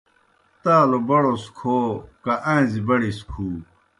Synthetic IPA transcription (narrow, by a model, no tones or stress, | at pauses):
t̪aːlobɐɽoskʰoːkaʔɐ̃ĩzibɐɽiskʰuː